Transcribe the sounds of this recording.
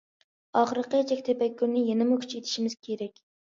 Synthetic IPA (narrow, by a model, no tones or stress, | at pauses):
ɑχəɾəqət͡ʃʰɛkʲt̪ʰepɛkʲːyɾnɪjenɪmʊkʲʰy̥t͡ʃʰet̪ʰɪ̥ʃimɪz̥kʲʰeɾɛkʲ